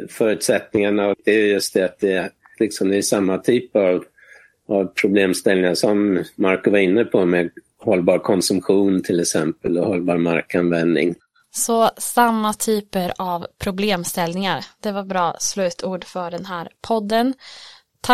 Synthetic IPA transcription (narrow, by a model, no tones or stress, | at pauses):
fœːɾʉ̟ːt̪sɛt̪nɪŋaɳaɔkd̪ɛæjɵjɵst̪̚d̪ɛat̪̚d̪ɛ | lɪksɔmd̪ɛæʂamːat̪ʰyːpəɾav | avpʰɾʊbleːmst̪ɛlnɪŋaʂɔmːaɾkɔvaɾɪnːəpʰɔmɛ | hɔlːbɑːɾkʰɔnsɵmɧuːnt̪ʰɪlɛksɛmpəlɔhɔlːbɑːɾma̰ɾkanvɛnd̪nɪ̰ŋ | sɔsamːat̪ʰyːpəɾavpʰɾʊbleːmst̪ɛlnɪŋaɾd̪̥ɛvaɾbɾɑːslʉ̟ːt̪ʰuːɖfœɖɛnɦæːɾpʰɔd̪ːən | t̪ʰ